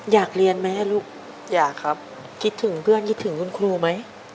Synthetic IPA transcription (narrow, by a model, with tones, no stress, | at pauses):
jaː˨˩k̚li˧ənmɛː˦˥˨luː˥˩k̚ | jaː˨˩kʰːa˦˥p̚ | kʰi˦˥t̪ʰːɯ˩˦ŋpʰɯ˥˩ənkʰi˦˥t̪ʰːɯ˩˦ŋkʰu˧nkʰɾuː˧ma˦˥j